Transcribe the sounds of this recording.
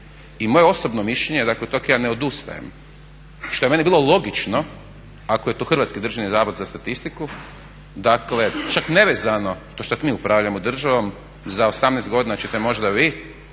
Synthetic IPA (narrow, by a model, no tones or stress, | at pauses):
imo̞jeo̞sobnomiʃʎeɲed̪aklet̪okjaːneo̞d̪ust̪a̰jḛm | ʃt̪o̞eenibiːlˠo̞lˠo̞ɡit͡ʃno̞ | akoje̞t̪oːxr̩ʋat̪skid̪r̩ʒenizaːʋod̪zast̪at̪ist̪iku | d̪akle̞t͡ʃakneʋezano̞ʃt̪oʃt̪at̪miːupɾaʋʎaemod̪r̩ʒaʋom | zaosamneːst̪ɡo̞d̪inat͡ɕet̪emo̞ʒd̪aʋi